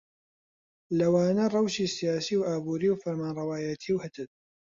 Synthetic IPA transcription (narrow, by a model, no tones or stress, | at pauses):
lɐwaːnɐrˤɑwʃiːsijaːsiːwʔaːbuːɾiːwfɐɾmaːnrˤɑwaːjɐt̪ʰiːwhɐt̪ʰɨt̪̚